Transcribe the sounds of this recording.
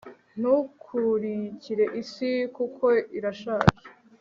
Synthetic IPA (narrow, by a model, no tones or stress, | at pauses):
n̥ukʰuɾiciɾe̞ʔisikukʰo̞iɾaʃaːkḁ